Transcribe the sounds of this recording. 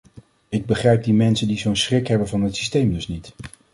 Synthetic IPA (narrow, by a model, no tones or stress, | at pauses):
ɪɡ̚bəχrɛjp̚dimɛnsəndizownsrɪkɦɛbənvɑnɦətsistejmdɵsnit